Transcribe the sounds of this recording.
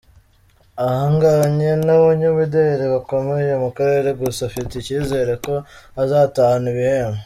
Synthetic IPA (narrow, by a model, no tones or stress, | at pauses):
ahaːŋɡaɲenaβuɲuβidejɾiβako̞me̞je̞mukaɾe̞ɾe̞ɡusafiticiːze̞ːɾe̞ko̞ | azaːtahaniβiheːme